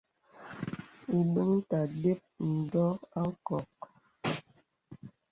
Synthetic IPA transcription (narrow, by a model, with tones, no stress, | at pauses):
u˨bə˦ŋ̩˦ta˨de˦p̚n̩˨dɔ˦a˦ŋ̩˦kɔ˨k̚